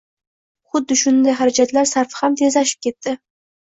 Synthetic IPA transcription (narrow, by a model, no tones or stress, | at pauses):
χʊd̪ːɪʃʊnd̪ajχaɾad͡ʒat̪laɾsaɾfhamt̪ʰezɑʃɪ̥p̚kʲʰe̞t̪ːɪ